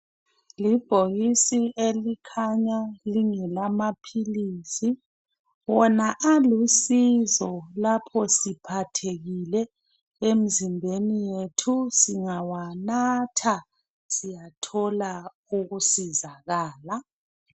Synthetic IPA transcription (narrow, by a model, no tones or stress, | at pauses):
lib̥ʱoɣisielikʰaɲaliŋɛlamapʰiliːsi | wɔnaʔalusizɔlapʰɔsipʰatʰeɣilɛ | em̩zimbʱenijetʰusiŋawanatʰa | sijatʰɔla | uɣusizaɣaːla